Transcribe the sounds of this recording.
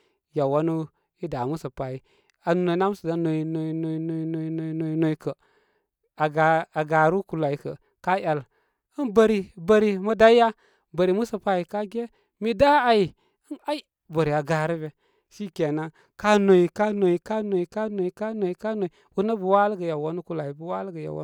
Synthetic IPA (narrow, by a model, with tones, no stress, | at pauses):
ja˨wa˦nu˦ | i˦da˨mu˦sə˨pa˨ji˨ | a˨no˨i˨˦na˦m˦sə˨da˨˦no˨i˨no˨i˨no˨i˨n˨i˨no˨i˨˦no˨no˨i˨no˨i˨˦kə˨ | a˨ɡa˨a˨ɡa˨ɾu˦ku˨la˨i˨˦kə̰˨ | ka˦ja˨l | ə˦nbə˨ɾi˨bə˨ɾi˨mə˦da˦i˦ja˦ | bə˨ɾi˨mu˦sə˨pa˦i˨ka˦ɡʲe˦ | mi˦da˦a˨i˨ | ə˦na˦i˦ | bə˨ɾi˨a˨ɡa˨ɾi˦be˨ | ʃi˦ke˨na˦ | ka˦no˨i˨ka˦no˨i˨ka˦no˨i˨ka˦no˨i˨ka˦no˨i˨ka˦no˨i˨ | u˦nə˦bə˨wa˦lɡə˨ja˨wo˦nu˦ku˦la˨i˨bə˨wa˦lɡə˨ja̰˨wo̰˦